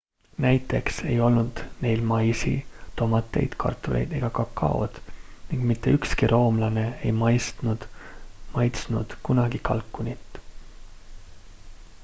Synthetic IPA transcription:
næjt̪ːˑe̞kse̞jo̞lnud̪̥ne̞jlmɑjsḭt̪o̞mɑt̪ːˑe̞̰jd̪̥kʰɑ̰rt̪ːˑulʔe̞̰jd̪e̞ɡ̥ɑkɑkːɑ̰o̰d̪̥niŋɡ̥mit̪ːe̞ykskiɾʔo̞ːmlɑne̞ejmɑjst̪nud̪̥mɑjt̪snud̪̥kunɑɡ̥ikɑ̰lkːˑunit̪ː

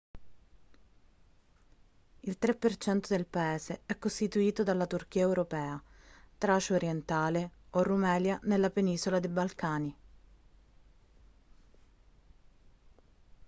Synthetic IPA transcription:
ilt̪ɾepːert͡ʃɛnt̪od̪elpaeːzeɛkːost̪it̪uiːt̪od̪alːat̪urk̟iːaewɾopɛːat̪ɾat͡ʃoɾjent̪aːleorːumɛːljanelːapeniːszolad̪ebalkaːni

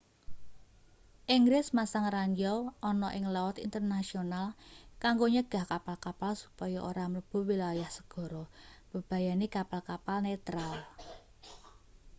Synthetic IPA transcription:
ʔiŋɡɾɪsmasaŋraɲd͡ʒɔwʔɔnɔʔɪŋlawɔt̪ḭnt̪ərnasionalkaŋɡoɲəɡ̥a̤hkapalkapalsu̥pɔjɔʔoɾamələb̥o̤wilajahsə̥ɡ̥ɔ̤ɾɔb̥ə̤b̥ä̤janekapalkapalnet̪ɾal

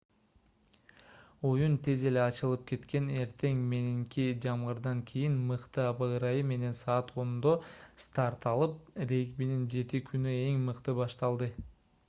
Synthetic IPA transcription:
ojunt̪ʰeze̞le̞ɑt͡ʃɯlˠɯp̚kʰe̞t̪ke̞ne̞ɾt̪e̞ŋme̞niŋkid͡ʒɑmʁɯɾd̪ɑŋkʲʰijinmɯqt̪ɯɑbɑɾɑjɯme̞ne̞nsɑːt̪ʰo̞nd̪ost̪ɑɾt̪ɑlˠɯp̚ɾe̞jkbinind͡ʒe̞t̪ikʰynye̞ŋmɯqt̪ɯbɑʃt̪ɑlˠd̪ɯ

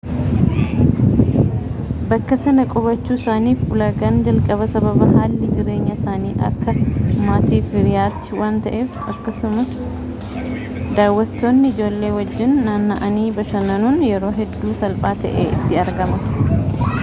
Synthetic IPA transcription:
bɐkːɐsɐnɐkʼɔβɐt͡ʃːuːɪsaːniːfʊlɐɡɐnd͡ʒɐlkʼɐβɐsɐbɐbɐɦaːlːɪd͡ʒɪɾe̞ːɲːɐɪsaːniːʔɐ̰kːɐmaːt̪iːfɪɾɪjaːt̪ːɪ̥waːnt̪ɐʔeːfɐkːɐsʊmɐs | d̪aːwːɐt̪ːoːnːɪɪd͡ʒo̞ːlːe̞ːwɐd͡ʒːɪnːaːnːɐʔɐniːbɐʃɐnɐnuːnjɛɾo̞ːɦɛd̪ːuːsɐlpʼaːt̪ɐ̰ʔḛːɪ̰t̪ːɪɐɾɡɐmɐ

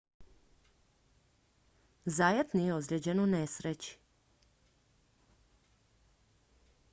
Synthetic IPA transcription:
zajet̪nijeod̪ɾʲed͡ʑenunesɾet͡ɕi̥

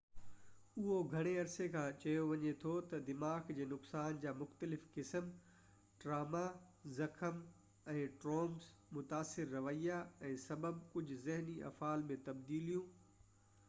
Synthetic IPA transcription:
ʊɦoɡʱɐɽ̃eɐɾsekʰãːt͡ɕɐjoʋɐɲet̪ʰot̪ɐd̪ɪmaːxd͡ʑeːnʊksaːnd͡ʑaːmʊxt̪əlɪfkɪsəm | ʈɾaːma | zɐkʰəm | ɛ̃ːʈɾoːmzmʊt̪aːsːɪɾːɐʋəijaɛ̃ːsɐbəb̚kʊd͡ʑʱʊzɪɦniʔɐ̰faːlmẽt̪ɐbd̪iːlijũː

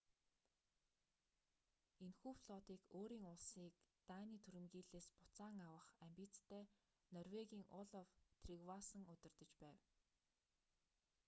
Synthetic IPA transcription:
enxuːfɮɔt̪iːkoːɾiːŋʊɮsiːkt̪aːniːt̪ʰuɾɘ̆mɡiːɮeːspʊ̥t͡saːŋawə̆χæmʲpʲit͡st̪ʰːeː | nɔrweɣʲiːŋʔʊɮɔwt̪ʰriɣwasə̆ŋɵt̪ɪ̆rt̪ɵ̆t͡ɕpæːw

